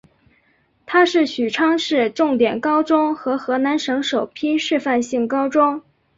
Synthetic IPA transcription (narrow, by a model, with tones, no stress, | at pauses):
t̪ʰa˥ʂɻ̩˥˩ɕy˨˩ʈ͡ʂʰɑ˥ŋʂɻ̩˥˧ʈ͡ʂʊ˥˩ŋt̪jɛ˨˩nkɑ˥ʊʈ͡ʂʊ˥ŋxɤ˧˥xɤ˧˥na˧˥nʂɤ˧˥ŋʂo˨˩ʊpʰi˥ʂɻ̩˥˧fa˥˧nɕi˥˩ŋkɑ˥ʊʈ͡ʂʊ˥ŋ